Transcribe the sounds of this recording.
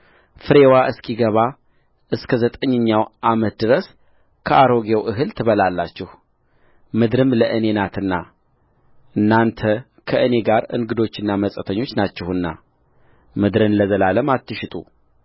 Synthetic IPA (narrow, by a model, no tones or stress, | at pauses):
fɨɾe̞waʔɨskʰiɡəβa | ʔɨskʰəzət̪ʼəɲːəɲːawʔamət̪̚d̪ɨɾəs | kʰəʔaɾo̞ɡewʔɨɦɨlt̪ʰɨβəlalːat͡ʃːɛh | mɨd̪ɾɨmləʔɨne̞nat̪ʰɨnːa | ʔɨnːant̪ʰə | kʰəʔɨne̞ɡaɾɨ̰ŋɡɨd̪o̞t͡ʃːɨnːaməsʼət̪ʰəɲːo̞t͡ʃːnat͡ʃːɛhɨnːa̰ | mɨd̪ɾɨnləzəlaləmat̪ːɨʃɪt̪ʼṵ